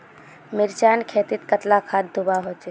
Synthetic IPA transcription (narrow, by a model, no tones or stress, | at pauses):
mɪɾt͡ʃankʰet̪it̪kət̪lakʰad̪d̪ʱubaɦot͡ʃe